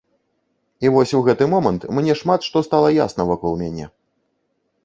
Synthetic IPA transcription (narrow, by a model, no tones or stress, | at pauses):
ivɔsʲwɣɛt̪ɨmɔmɐnt̪mnʲɛʂmat̪ʂt̪ɔst̪alˠɐja̰snɐvakɔlˠmʲanʲɛ̰